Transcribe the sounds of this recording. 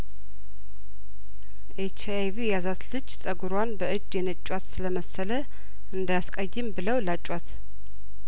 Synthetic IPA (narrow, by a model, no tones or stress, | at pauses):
ʔet͡ʃajvijazat̪lɨd͡ʒːsʼəɡuɾwanbəɨd͡ʒjɛnət͡ʃʼːwat̪sɨləməsːələ | ʔɨnd̪ajaskʼəjːɨmbɨləwlat͡ʃʼwat̪